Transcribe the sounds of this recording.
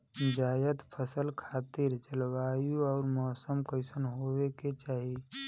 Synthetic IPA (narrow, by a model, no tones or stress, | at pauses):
d͡ʒaːjət̪pʰəsəlkʰaːt̪ɪɾt͡ʃəlwaːjũɔːɾmɔːsəmkəɪsənɦoweket͡ʃaːɦie